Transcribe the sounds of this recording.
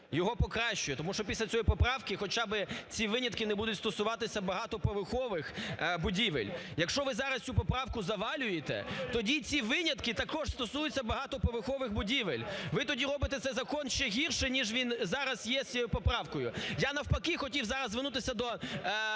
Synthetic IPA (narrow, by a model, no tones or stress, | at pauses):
jɔɦɔpɔkɾɑʃt͡ʃʊjɛt̪ɔmuʃt͡ʃɔpʲisʲlʲɐt͡sʲɔjipɔpɾɑwkɪxɔt͡ʃabɪt͡sʲiʋɪnʲɐt̪kɪnɛbud̪ʊtʲst̪ɔsʊʋɑt̪ɪsʲɐbɐɦɑt̪ɔpɔʋɪxɔʋɪxbʊdʲiʋɪ̰lʲjɐkʃt͡ʃɔʋɪzɑɾɐst̪t͡sʲupɔpɾɑwkʊzɐʋɑlʲʊjet̪ɛ̰t̪ɔdʲit͡sʲiʋɪnʲɐt̪kɪt̪ɐkɔʃst̪ɔsujʊt͡sʲːɐbɐɦɑt̪ɔpɔʋɪxɔʋɪxbʊdʲiʋelʲʋɪt̪ɔdʲiɾɔbɪt̪ɛt̪sɛjzɐkɔnʃt͡ʃɛɦʲirʃɪnʲiʒʋʲinzɑɾɐzjɛsʲjɔʊpɔpɾɑwkɔjʊjanɐwpɐkɪxɔtʲiwzɑɾɐzzːʋɪnut̪ɪsʲɐd̪ɔ